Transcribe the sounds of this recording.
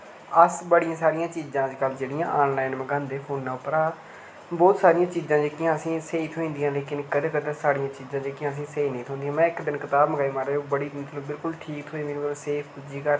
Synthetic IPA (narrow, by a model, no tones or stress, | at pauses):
əsbəɽɪjãːsaːɾijãːt͡ʃiːzãːd̪iːkəld͡ʒeːɽɪjãːʔːnlaːɪnməɡãːnd̪eːpʰoːnːaːʊpːɾaːt̪ | bɔːt̪saːɾɪjãːt͡ʃiːzãːd͡ʒeːkɪjãːəsĩːseːiːt̪ʰoĩːnd̪ijãːleːkɪnkəd̪eːkəd̪ẽːsaːɽijãːt͡ʃiːzãːd͡ʒeːkɪjãːəs̬ĩːseːiːnə̃ĩːt̪ʰõːnd̪ijãːmɛ̃ːɪkd̪ɪnkɪt̪aːbməɡaːiːmaːɾeːoːbəɽiːd̪ɪnt̪lõbɪlkʊlʈʰiːk̚t̪ʰoĩːd̪ĩseːpʰkʊd͡ʒiːkəɾ